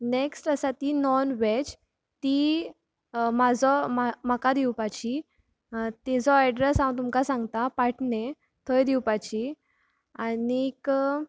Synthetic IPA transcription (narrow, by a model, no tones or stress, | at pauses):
neksʈəsat̪inɔnʋet͡ɕ | t̪i | mad͡zɔmam̤əkad̪iwpat͡ɕi | t̪ɛd͡zɔaɖɾesãwt̪umkasãŋɡt̪apaʈʰne | t̪ʰɔjd̪iwpat͡ɕi | aniːk